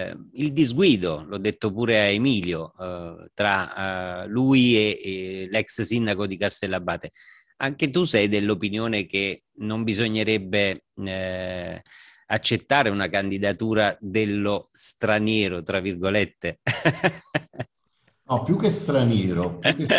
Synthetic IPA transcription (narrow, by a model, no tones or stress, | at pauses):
ild̪izɡwiːd̪olɔd̪ːet̪ːopuːɾeaemiːljot̪ɾa | luielɛkssind̪akod̪ikast̪ɛlːabːaːt̪e | aŋk̟et̪usɛjd̪elːopinjoːnek̟e | nombizoɲːeɾɛbːe | at͡ʃːet̪ːaːɾeunakand̪id̪at̪uːɾad̪elːost̪ɾanjɛːɾot̪ɾavːirɡolet̪ːe | nɔpjukːest̪ɾanjɛːɾopj